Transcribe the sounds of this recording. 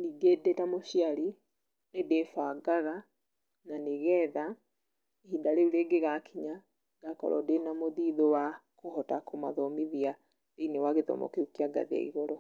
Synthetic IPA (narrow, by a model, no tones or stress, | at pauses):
niɡedetamoʃiaɾi | nedefaːɡaɣa | naneɣɛða | ehidaɾeuleɡeɣakʰiɲa | ɡ̥akɔ̰ɾʔɔ̰denamoðiðowa | kohɔtakoma̰ðɔmiðia | deinewaɣeðɔ̰mɔ̰keukiaɡa̰ðia̰ḭɣɔɾɔ